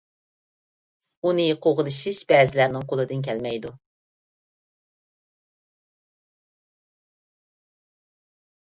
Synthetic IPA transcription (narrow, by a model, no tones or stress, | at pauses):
unɨjeqʰoʁɨlˠɨʃiʃbɛːzɪlæɾnɪŋqʰolˠɨd̪ɨnkʲʰɛlmɛjd̪u